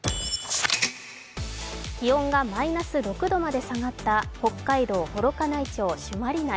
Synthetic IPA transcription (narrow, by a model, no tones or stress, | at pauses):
kʲiõ̞ŋɡamainasɨɾo̞kɯ̟d̪o̞mad̪e̞saŋat̪ːaho̞kːaid̪o̞ːho̞ɾo̞kanait͡ɕo̞ːɕɨmaɾʲina